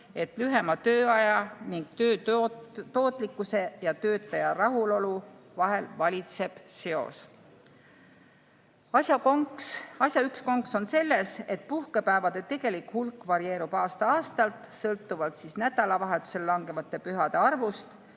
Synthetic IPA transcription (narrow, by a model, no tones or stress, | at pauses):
e̞t̪ˑlyɦe̞mɑt̪ø̞ːɑjɑniŋɡ̥t̪øː | t̪o̞ːt̪ːˑlikːˑuse̞jɑt̪øːt̪ːˑɑjɑrɑɦulo̞luvɑɦe̞lvɑlʲit̪se̞b̥se̞o̞̰s | ɑjɑ | ɑsʲjɑyksko̞ŋkso̞nse̞lːe̞se̞t̪̚puhkepæːvɑd̪̥e̞t̪e̞ɡ̥e̞likhulkːˑvɑɾie̞ːɾub̥ɑːst̪ɑɑːst̪ɑlt̪ˑsɤlt̪ːˑuvɑlt̪sisnæd̪̥ɑlɑvɑɦe̞t̪ːˑu̥se̞lːɑŋɡe̞vɑt̪ˑːe̞pyɦɑd̪̥e̞ɑrvust̪